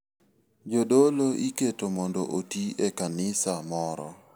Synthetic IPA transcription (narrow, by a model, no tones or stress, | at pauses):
d͡ʒodoloʔiketomɔndoʔotiekanɪsamɔɾɔ̰